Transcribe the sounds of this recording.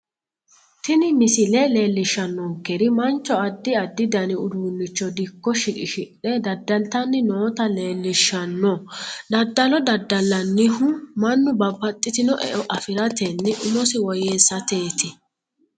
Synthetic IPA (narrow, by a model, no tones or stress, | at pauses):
t̪ɪnɪmɪsɪlɛle̞ːlːɪʃːɐnːɔŋkːɛɾɪmɐnt͡ʃːɔɐd̪ːɪɐd̪ːɪd̪ɐnɪʊd̪uːnːɪt͡ʃːɔd̪ɪkːɔʃɪᶑɪʃɪʔːɛd̪ɐd̪ːɐlt̪ɐnːɪnoːt̪ɐle̞ːlːɪʃːɐnːɔd̪ɐd̪ːɐlɔd̪ɐd̪ːɐlːɐnːɪhʊmɐnːʊbɐbːɐt̪ʼːɪt̪ɪnɔʔɛ̰ʔɔʔɐfɪɾɐt̪ɛnːɪʔʊmɔsɪwɔjeːsːɐt̪e̞ːt̪ɪ